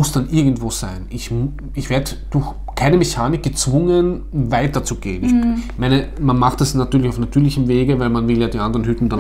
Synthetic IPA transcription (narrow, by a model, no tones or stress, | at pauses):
ʊsd̥anʔɪɐɡŋ̩tv̥oːz̥aɪnʔɪç | ɪçv̥eːɐdə | d̥ʊɐx | kʰaɪnəmeçaːnɪk̚ɡ̥ət͡sv̥ʊŋən | vaɪtɐt͡suɡeːənɪçmaɪnəmanmaχtasnatyːɐlɪçaʊfnatʰyːɐlɪçəm̩veːɡəvæɪlmanvɪljaːdiːʔandəʁənɦytn̩d̥an